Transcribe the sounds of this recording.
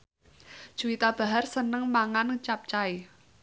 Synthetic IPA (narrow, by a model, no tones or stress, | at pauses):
d̥ʒ̥uit̪ab̥a̤ɦarsənəŋmaŋant͡ʃap̚t͡ʃai